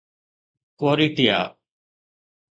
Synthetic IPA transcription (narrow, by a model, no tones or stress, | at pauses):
koːɾiːʈija̰ː